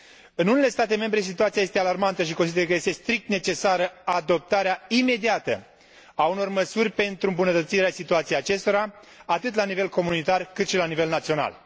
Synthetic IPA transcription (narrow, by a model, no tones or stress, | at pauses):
ɨnune̞le̞st̪at̪e̞me̞mbɾe̞s̬it̪uat̪siaje̞st̪e̞alarmant̪əʃ̬iko̞nsid̪eəkəje̞st̪e̞st̪ɾik̚t̪ne̞t͡ʃe̞saɾəad̪o̞p̚t̪aɾeaime̞d̪iat̪ə | auno̞rməsurʲpe̞nt̪ɾuɨmbunət̪ət̪siɾeasit̪uat̪siejat͡ʃe̞st̪o̞ɾa | at̪ɨt̪̬lanive̞lko̞munit̪arkɨt̪ʃilanive̞lnat̪sio̞na̰l